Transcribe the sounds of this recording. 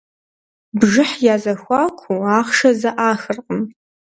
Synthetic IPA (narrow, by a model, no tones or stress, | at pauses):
bʒɪħjaːzɐxʷaːkʷʰuaːχʂɐzɐʔaːxɨrqʼəm